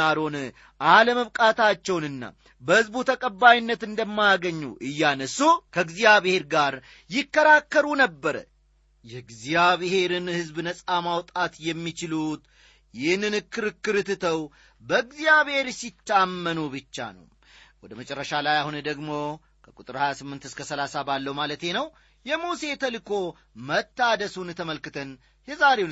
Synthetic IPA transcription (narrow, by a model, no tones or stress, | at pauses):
aɾo̞n | ʔaləməβkʼat̪ʰat͡ʃːɛwnɨnːa̰ | bəhɨzbut̪ʰəkʼəbːajinːət̪ɨnd̪əmːajaɡəɲːṵʔɨjːanəsukʰəɨɡzijaβɨhe̞ɾɡaɾ | jɪkːəɾakːəɾunəbːəɾə̰ | jɛɡzijaβɨhe̞ɾɨnhɨzbnəsʼamawt̪ʼat̪jɛmːit͡ʃɪlut̪ | jɪhnːɨnɨkːɨɾɨkːɨɾɨt̪ɨt̪ʰəw | bəɨɡzijaβhe̞ɾsit̪ːamːənubɨt͡ʃːa̰nə̰w | wɔd̪əmət͡ʃʼɛrːəʃalajahund̪əɡmo̞ | kʰəkʼut̪ʼɨɾhajasɨmːɨnt̪ɨskʰəsəlasabalːəwmalət̪je̞nəw | jɛmuse̞t̪ʰəlɨkʰo̞ | mət̪ːad̪əsunt̪ʰəməlkɨt̪ʰən | jɛzaɾe